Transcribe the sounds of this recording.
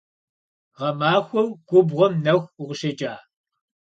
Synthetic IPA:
ʁɐmaːxʷɔwɡ̥ʷʊbʁʷɔmnɐxʷʊʁʷʊʃɐt͡ʃʼaː

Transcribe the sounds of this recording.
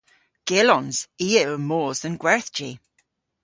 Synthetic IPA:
ɡ̥ɪlɔ̃nz̥iːəɹmoːzə̃nɡwɛɹθd͡ʒi

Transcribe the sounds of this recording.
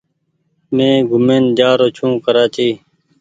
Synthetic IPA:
mẽːɡʱʊmeːnd̪aːɾoːt͡ʃʰũːkəɾaːt͡ʃiː

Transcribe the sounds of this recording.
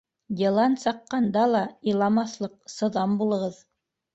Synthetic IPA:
jʲɤ̆lˠɑnsɑqːɑnd̪ɑlˠɑijlˠɑmɑθlˠɤq̚sɤ̆ðɑmbulˠɤ̆ʁɤð

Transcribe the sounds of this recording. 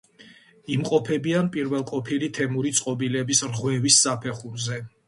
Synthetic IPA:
imqʼɔpʰɛbianpʼiɾvɛlˠqʼɔpʰilit̪ʰɛmuɾit̪sʼqʼɔbilɛbisɾʁwɛvisːapʰɛχuɾzɛ

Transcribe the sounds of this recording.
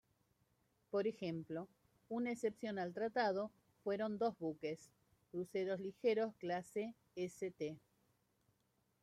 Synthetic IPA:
po̞ɾexemplo̞ | unaesepsjo̞nalt̪ɾat̪að̞o̞ | fwe̞ɾo̞nd̪o̞zβukes | ɾuseɾo̞zlixeɾo̞sklase | eset̪e

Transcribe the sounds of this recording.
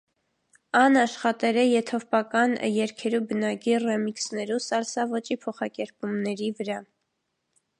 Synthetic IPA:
ɑnɑʃχɑt̪ɛɾɛjɛt̪ʰɔvpɑkɑnjɛɾkʰɛɾubənɑkirɛmiksnɛɾusɑlsɑvɔt͡ʃipʰɔχɑkɛɾpumnɛɾivəɾɑ

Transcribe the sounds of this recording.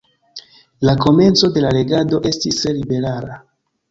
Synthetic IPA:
lako̞me̞nt͡so̞de̞lale̞ɡado̞ʔe̞stislibe̞ɾaɾa

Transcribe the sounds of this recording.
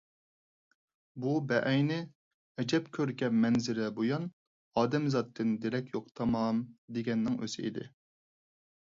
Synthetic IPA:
bubɛʔɛjnɪ | ɛd͡ʒɛpkʲʰøɾɡʲɛmɛnzɪɾɪbojɑn | ɑːd̪ɛmzɑt̪ʰːɨnd̪eɾɛkʲjoqt̪ʰɑmɑmd̪eɡʲɛnːɪŋʔø̰sɪ̰ḭd̪ɪ̰

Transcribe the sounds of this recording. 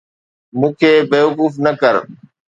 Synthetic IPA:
mũːkʰeːbeːʋʊkuːfnəkəɾ

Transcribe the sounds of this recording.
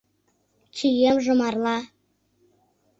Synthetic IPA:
t͡ɕijemʒɤ̆mɑrlɑ

